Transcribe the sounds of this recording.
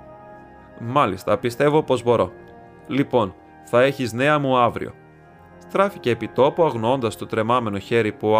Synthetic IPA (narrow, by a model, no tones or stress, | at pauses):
mɐlist̪ɐpist̪e̞vo̞po̞zbo̞ɾo̞ | lipo̞n | θɐe̞çizne̞ɐmuɐvɾḭo̞̰ | st̪ɾɐfice̞ːpit̪o̞puɐɣnoo̞nd̪ɐst̪o̞t̪ɾe̞mɐme̞no̞çe̞ɾipu